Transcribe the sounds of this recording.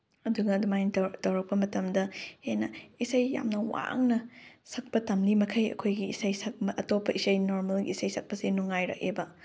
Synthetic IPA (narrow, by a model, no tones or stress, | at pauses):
ɐduɡɐːdumajntɐtɐwɾɐk̚pɐmɐtɐmdɐhenɐisɐjja̰mnɐwa̰ŋnɐsɐk̚pɐtɐmlimɐkʰɐjɐ̰kʰojɡiisɐjsɐk̚ɐʔɐtopːɐʔisɐjnoɾmɐlɡiːsɐjsʰɐk̚pɐsenuŋːajɾɐ̰k̚ebɐ